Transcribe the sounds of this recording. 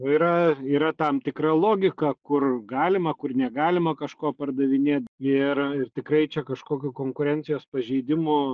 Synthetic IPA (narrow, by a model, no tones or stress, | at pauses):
oːiːɾɐiːɾɐt̪ɐmt̪ʲɪkɾɐlˠoːɡʲɪkɐkʊrɡɑːlʲɪmɐkʊrnʲɛɡɑːlʲɪmɐkɐʃkoːpɐrd̪ɐʋʲɪnʲeːt̪̚ɪrɪrt̪ʲɪkɾɐɪt͡ʃʲɛkɐʃkoːkʲʊkoːŋkʊɾʲɛnʲtt͡s̪ʲɪjoːspɐʒʲɛɪd̪ʲɪmʊ